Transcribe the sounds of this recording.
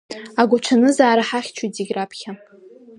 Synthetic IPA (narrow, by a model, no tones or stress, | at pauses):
aɡʷaʈ͡ʂʰanɨzaːɾaħaχʲt͡ʃʷʰujtiɡʲrapʰχʲa